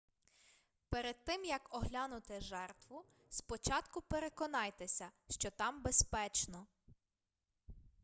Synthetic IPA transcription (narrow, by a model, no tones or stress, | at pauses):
peɾed̪̚t̪ɪmjɐkɔɦlʲanʊt̪ɪʒɛrt̪ʋʊ | spɔt͡ʃɑt̪kʊpeɾekɔnɑjt̪esʲɐʃt͡ʃɔt̪ɑmbespɛt͡ʃnɔ